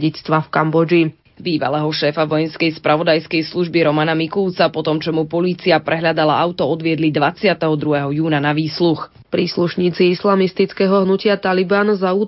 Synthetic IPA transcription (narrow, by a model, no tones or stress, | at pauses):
it͡st̪ʋafkambɔd͡ʒi | biːʋa̰lɛɦɔʃɛːfaʋɔjɛnskɛjspɾaʋɔd̪ajskɛjsluʒbiɾɔmanamikult͡sapɔt̪ɔmt͡ʃɔmupɔliːt͡siapɾɛɦʎad̪alaʔaʊt̪ɔɔd̪ʋɪɛd̪lid̪ʋat͡sɪat̪ɛɦɔd̪ɾuɦɛɦɔjuːnanaʋiːslux | pɾiːsluʃɲiːt͡siislamist̪it͡skɛɦɔɦnucɪat̪alibaːnzauː